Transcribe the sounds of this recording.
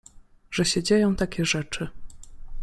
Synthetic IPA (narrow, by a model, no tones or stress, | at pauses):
ʐɛɕɛd͡ʑejɔ̃w̃t̪akʲɛʐɛt͡ʂɘ